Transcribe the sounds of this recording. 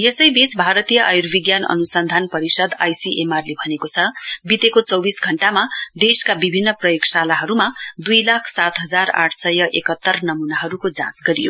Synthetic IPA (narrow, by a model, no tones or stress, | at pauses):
jesʌjbit͡sbʱaɾʌt̪ijʌʔajurbiɡjanʌ̰nusʌnd̪ʱanpʌɾisʌd̪a̰jsiʔemarlebʱʌnekot͡sʰʌbit̪ekot͡sʌwbisɡʱʌɳʈamad̪eskabibʱinːʌprʌjoɡsalaɦʌɾumad̪ujlakʰsat̪ɦʌd͡zara̰ʈʰsʌjʌʔekʌt̪ːʌrnʌmunaɦʌɾukod͡zã̰sɡʌɾijo